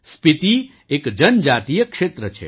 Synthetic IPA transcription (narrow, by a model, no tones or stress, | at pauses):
spit̪i | ekd͡ʒənd͡ʒaːt̪ijəkʂet̪ɾət͡ʃʰḛ